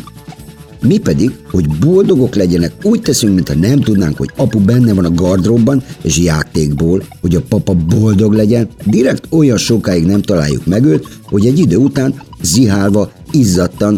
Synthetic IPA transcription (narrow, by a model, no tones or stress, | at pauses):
mipɛd̪iɡho̞ɟbo̞ld̪o̞ɡo̞klɛɟɛnɛkuːct̪ɛsyŋkmint̪ʰhɒnɛmt̪ud̪na̰ːŋkho̞ɟɒpubɛnːɛvɒnɒɡɒrd̪robːɒneːʃjaːt̪eːɡboːlho̞ɟɒpɒpɒbo̞ld̪o̞ɡlɛɟɛnd̪iɾɛkt̪o̞jɒnʃokaːjiɡnɛmt̪ɒla̰ːjːṵkmɛɡøːt̪ | ho̞ɟɛɟːid̪øːut̪aːnziɦaːlvɒ | izːɒt̪ːɒn